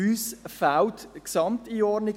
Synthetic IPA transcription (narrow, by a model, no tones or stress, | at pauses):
yːsfawtksɑmtiːɔdnɪ